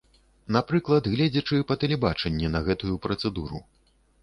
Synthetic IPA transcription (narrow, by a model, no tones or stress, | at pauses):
napɾɨklˠɐd̪ɣlʲɛd͡zʲɐt͡ʂɨpɐt̪ɛlʲɛbat͡ʂɛnʲːɛnɐɣɛt̪ujupɾɐt̪sɛd̪uɾṵ